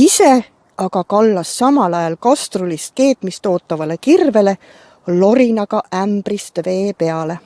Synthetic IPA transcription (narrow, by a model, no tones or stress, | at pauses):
ise̞ | ɑɡɑkɑlːɑsːɑmɑlɑjɑlkɑst̪rulist̪̚ke̞ːt̪mist̪o̞ːt̪ˑːɑvɑle̞kirve̞le̞ | lo̞ɾinɑɡ̥ɑʔæmbrist̪ve̞ːpe̞ɑle̞